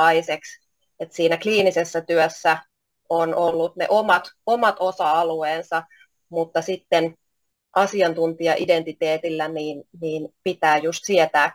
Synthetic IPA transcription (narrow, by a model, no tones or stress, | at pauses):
ɑiseks | et̪siːnækliːnisesːæt̪yøsːæ | onolːut̪nḛʔomɑt̪omɑt̪osɑɑlueːnsɑ | mut̪ːɑsit̪ːen | ʔɑsiɑnt̪unt̪iɑʔident̪it̪eːt̪ilːæniːnniːnpit̪æːjust̪siet̪æː